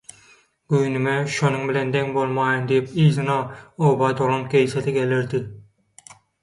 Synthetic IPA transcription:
ɡyjnymɛʃonʊŋbɪlend̪eŋbolˠmɑːjɯnd̪ijipiːzɨnɑoːbɑd̪olˠonkʲʰejset̪ʰiɡʲelɪɾd̪ɪ

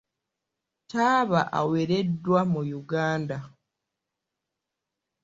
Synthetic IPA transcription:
taːβa̰ʔa̰weɾe̞dːwamujuɡaːnda

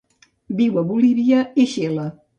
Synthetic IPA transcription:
biwəβuliβiəiʃelə

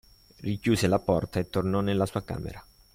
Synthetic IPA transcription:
rikjuːzelapɔrt̪aet̪ːornɔnelːasuːaka̰ːmḛɾa

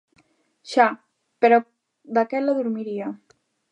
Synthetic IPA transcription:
ʃa | peɾɔ | d̪akɛt̪laðuɾmiɾia

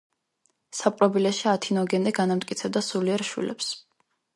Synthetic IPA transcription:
sapʼɾɔbilɛʃiat̪ʰinɔɡɛnd̪ɛɡanamt̪ʼkʼit̪sʰɛb̚d̪asuliɛɾʃwḭlɛ̰ps

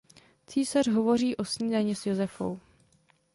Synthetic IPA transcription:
t͡siːsarɦo̞vo̞riːʔo̞sɲiːzaɲisjozɛfo̰w

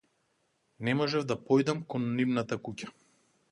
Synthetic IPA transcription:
nɛmɔʒɛvd̪apɔjd̪amkɔnːivnat̪akucḁ

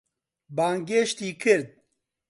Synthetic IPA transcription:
baːŋɡeːʃt̪iːkʰɨɾd̪̚

